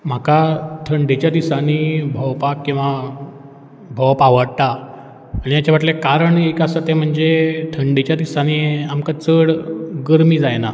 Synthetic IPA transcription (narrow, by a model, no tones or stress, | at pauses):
m̤akat̪ʰəɳɖet͡ɕjad̪isaniːbʱɔwpakkːĩw̃ʋa | bʱɔwpaʋəɽt̪aː | ñijat͡ɕaʋaʈ̪lekaɾəɳekasət̪em̤əɳd͡zet̪ʰəɳɖet͡ɕjad̪isaniːamkat͡səɽɡəɾmiːd͡zajna